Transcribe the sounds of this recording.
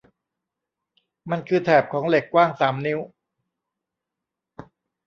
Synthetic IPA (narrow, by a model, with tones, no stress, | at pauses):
ma˧nkʰɯː˧t̪ʰɛː˨˩p̚kʰɔː˩˦ŋle˨˩kːwaː˥˩ŋsaː˩˦mni˦˥w